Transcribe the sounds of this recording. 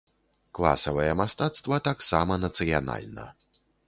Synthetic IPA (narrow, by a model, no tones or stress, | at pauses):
klˠa̰sɐvɐjɛmast̪at̪st̪vɐt̪aksamɐnɐt̪sɨjana̰lʲnɐ̰